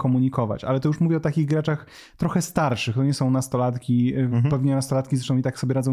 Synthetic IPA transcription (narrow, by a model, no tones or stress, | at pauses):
kɔmuɲikɔva̰t͡ɕa̰lɛt̪ɔjuʂmuvʲɛɔt̪akʲiɣɡɾat͡ʂax | t̪ɾɔxɛst̪aɾʂɘxt̪ɔɲɛsɔ̃w̃nast̪ɔlat̪kʲipɛvɲɛnast̪ɔlat̪̚kʲizɾɛt͡ʂʂt̪ɔ̃it̪aksɔbʲjɛɾad̪zɔ̃w̃